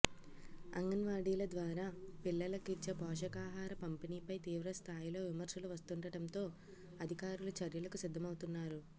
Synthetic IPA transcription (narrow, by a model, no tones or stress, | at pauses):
ɐ̰ŋɡɐnʋaːɖiːlɐd̪ʋaːɾaːpilːɐlɐkiɾt͡ʃɐpɔːʂɐkaːɦaːɾɐpɐmpiniːpɐjt̪iːʋɾɐst̪ʰaːjilo̞ːʋimɐɾʃɐluʋɐst̪uɳɖɐʈɐnt̪o̞ː | ɐd̪ʱikaːɾulɐt͡ʃɐɾjɐlɐkusid̪ʱːɐmɐwt̪unːaːɾu